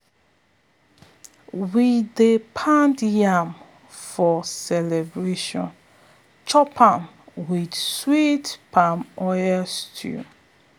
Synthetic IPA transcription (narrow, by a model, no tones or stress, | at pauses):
widepʰãntjãm | fɔsɛlɛbɹeʃɔ̰̃n | t͡ʃɔpʰãm | widswitpʰamɔjastʰṵ